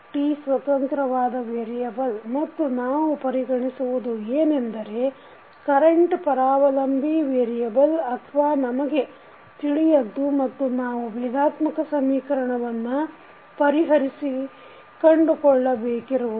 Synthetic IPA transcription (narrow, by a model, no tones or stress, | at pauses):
ʈisʋɐt̪ɐnk̪ɾɐʋaːd̪ɐʋeːɾijɐbɐlmɐt̪ːunaːʋupɐɾiɡɐɳisuʋud̪ueːnend̪ɐɾe̞ | kɐɾeɳʈpɐɾaːʋɐlɐmbʱiʋeːɾijɐbɐlɐt̪ʰʋaːnɐmɐɡe̞ | t̪iɭijɐd̪ːumɐt̪ːunaːʋuʋid̪ʱaːt̪mɐkɐsɐmiːkɐɾɐɳɐʋɐnːu | pɐɾiɦɐɾisi | kɐɳɖukɔɭːɐbeːkiɾuu